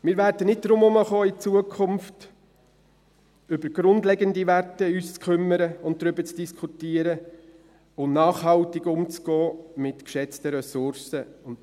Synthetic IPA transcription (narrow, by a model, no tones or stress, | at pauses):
mɪːɾʋæɾd̥ənɪt̚d̥ɾʊmʊməχɔːɪt͡suəkʰʊmft | ʏbəɾɡ̥ɾʊndlɛɡəndiʋætəyːst͡skʰχʏmːəɾəʊnt̚dɾʏbət͡sd̥iskʰutiːəɾə | ʊnɑːχhɑwtɪɡʊmt͡sɡ̥ɔːmɪtkʃɛt͡stəɾɛsʊɾsəʊn